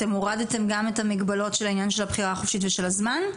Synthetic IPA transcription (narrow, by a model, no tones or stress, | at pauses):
emoʁadetemɡame̞thamiɡbalo̞tʃelainjanʃelhabχiʁaːχofʃitveʃe̞lazman